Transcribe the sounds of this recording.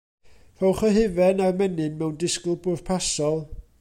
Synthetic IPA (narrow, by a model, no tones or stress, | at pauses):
r̥ɔwχəɦɪvɛnarmɛnɨnmɛwndɪsklˠbʊr̥pʰasɔlˠ